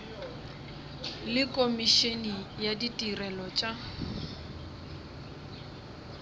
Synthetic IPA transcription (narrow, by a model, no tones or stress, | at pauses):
lɪkʼomiʃenijaditʼirɛlɔt͡ʃʼa